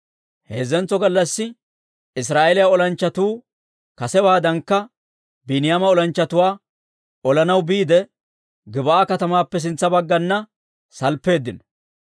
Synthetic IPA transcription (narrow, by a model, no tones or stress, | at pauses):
heːzɛnt͡sːɔɡɐlːɐsːɪ | ɪs̬ɾaːʔelɪjaɔlɐnt͡ʃːɐt̪uː | kɐsɛbaːd̪ɐŋkːɐ | bɪnɪjaːmɐɔlɐnt͡ʃːɐt̪ʊwaː | ɔlɐnɐwbiːd̪ɛ | ɡɪbɐaːkɐt̪ɐmaːpːɛs̬ɪnt͡sːɐbɐɡːɐnːɐ | sɐlpːe̞ːd̪ːɪnɔ